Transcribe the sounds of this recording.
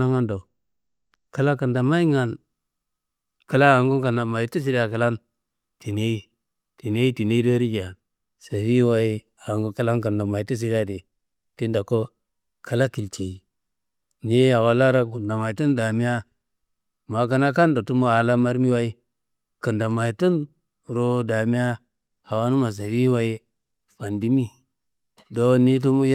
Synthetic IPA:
a˦ŋa˦ndo˨ | ka˦la˦ka˨nda˨ma˦i˦ŋa˨n | ka˨la˦a˨ŋɡu˦ka˨na˨ma˨i˦ti˦s̬i˦ɾa˨ka˨la˦n | ti˨ne˦i˦ | ti˨ne˦i˦ti˨ne˦i˦do˦ɾi˦d͡ʒa˨ | sa˨fi˦wa˦i˦ | a˨ŋɡu˦ka˦la˦nka˨nda˨ma˨i˨ti˦s̬i˨˦ɾa˦di˨ | ti˦nda˨ko˦ | kʰa˨la˦ki˨lt͡ʃe˨i˨ | ni˦a˨wa˨la˦ɾa˦ku˨nda˨ma˨i˨tu˦nda˨mi˦ja˦ | ma˨ka˦na˦ka˦nda˨tu˦mo˦a˨la˦ma˦ɾmi˦wa˦i˦ | kə˨nda˨ma˨i˨tu˦n | ɾo˦da˨mi˦a˦ | ha˨wa˦nu˦ma˨s̬a˨vi˦wa˦i˦ | fa˨ndi˦mi˦ | do˦ni˦t̬u˦mu˦j

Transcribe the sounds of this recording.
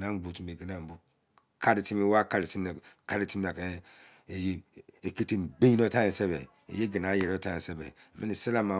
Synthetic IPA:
na˦ɡ͡bu˨ti˨me˨ɡi˦na˨m˨bu˨ | ka˦ɾi˨ti˦me˦wa˦ka˨ɾi˨ti˦m˦˨ka˦ɾi˦ti˦m˦na˨ke˦ | e˨je˦e˨ke˦te˦m̩˨be˦i˦no˦ta˦i˨se˦bḛ˨ | ḛ˨je˦ɡi˨na˨˦je˨ɾo˦ta˦e˨se˦bḛ˨mḛ˦ni˨se˦la˦ma˨

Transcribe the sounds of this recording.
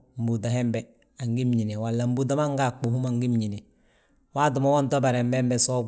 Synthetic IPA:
m̩˨bu˨da˨he˦mbe˨ | a˨ŋɡi˦mɲi˨ne˨wa˨lːa˨mbu˦da˦ma˦ŋɡa˦˨k͡po˨hu˦ma˨ŋɡi˦mɲi˨ne˨ | waː˦du˨mo˦wo˦nto˦ba˨ɾe˨mbe˦mbe˦so˦

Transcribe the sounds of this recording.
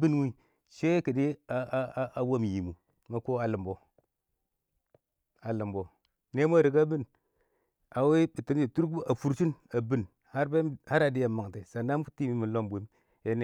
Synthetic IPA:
bi˦nwi˦ | ʃe˦ki˨di˦a˦a˦a˨wo˦˨mji˨mu˨ | ma˦ko˦a˨lə˨mbo˨ | a˨li˨mbo˨ | ne˦m˦a˦˨ɾi˨ka˦bi˦n | ʔa˨we˦bi˨ti˨˦md͡ʒe˨tu˦ɾʔa˨fu˨ɾt͡ʃi˦na˨bi˦n | ha˦ɾbe˦ha˦ɾa˨di˦ja˨mːa˨ŋ˨te˨sa˨nda˦m˦u˦ti˦mi˦mi˨lo˦mbʷi˨˦m | je˦ne˨

